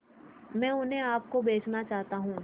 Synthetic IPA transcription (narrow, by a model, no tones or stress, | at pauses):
mɛ̃ːʊnɦẽaːp̚kobeːt͡ʃnat͡ʃaːɦt̪aɦũː